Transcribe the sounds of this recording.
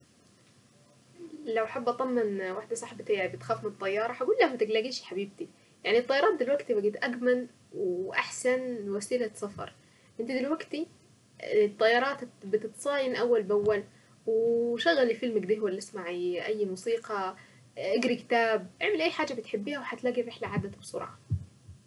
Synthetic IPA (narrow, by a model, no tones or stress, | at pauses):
lawaħabːʔɑt̪ˤɑmːɪnwaħd̪asˤɑħbt̪ibɪt̪xaːfmɪnɨt̪ˤːɑjːɑːɾˤɑħaɡuːlːahmat̪ɪɡlaɡiːʃiħabiːb̚t̪i | jaʕnit̪ˤːɑjːɑɾˤɑːt̪̚d̪ɪlwaɡt̪ibaɡiːt̪ʔaɡman | wʔaħsanwasiːlat̪sˤɑfɑ̰ɾˤ | ʔɪnt̪id̪ɪlwaɡt̪i | t̪ˤːɑjːɑːɾˤɑːt̪bɪt̪ɪt̪sˤɑːjɪnʔawːalbawːal | wʃaɣːalifɪlmaɡd̪iːhwalːʔɪsmaʕiʔajːmuːsiːqɑ | ʔɪɡɾikɪ̥t̪aːbʔɪʕmɪlʔajːħaːd͡ʒabɪt̪ħɪbːiːhawħat̪laːɡiɾɪħlaʕaːd̪ːat̪bsˤʊ̰ɾˤʕ̰ɑ